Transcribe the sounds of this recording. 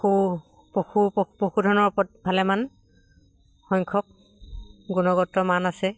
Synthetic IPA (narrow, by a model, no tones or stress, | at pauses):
xu | poxuppoxudʱɔnɔɹpɔt̚bʱalɛman | xɔjŋkʰɔk̚ | ɡunɔɡɔtːɔmanasɛ